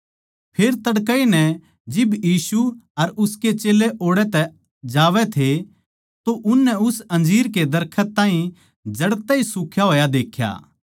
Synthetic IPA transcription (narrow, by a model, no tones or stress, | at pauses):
pʰeːɾt̪ɐɽkəinɛ | d͡ʒɪbjiːsuɐɾʊsket͡ʃeːleʔoːɽɛt̪ɛ | d͡ʒaːʋɛt̪ʰe | t̪oʔʊnːɛʊsɐ̃nd͡ʒiːɾked̪ɐɾkʰət̪ːãːɦĩ | d͡ʒɐɽt̪ɛisʊːkʰjaɦoːjad̪eːkʰja̰ː